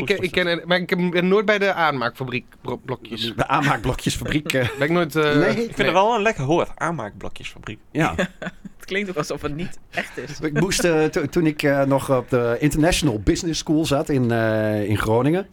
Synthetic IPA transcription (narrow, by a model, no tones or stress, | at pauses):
ɪkɪnmaɪkːɪbɪnnoət̚bɛjdəʔaːnmaːkfabrikbblɔkʰjəsəʔaːnmaːk̚blɔkʰjəsfabrikbɛɪknoːjtnekɪnəʋɛlˠənlɛkəɦoətaːnma̰ːk̚blɔ̰kjəsfabrikjaətklɪŋktokɔsɔfətnitɛxtɪsɪk̚musttunɪkʰnɔxɔp̚dəɪntərnɛʃjonəlˠbɪznɪskuːlˠzatɪnɪnxroːnɪŋə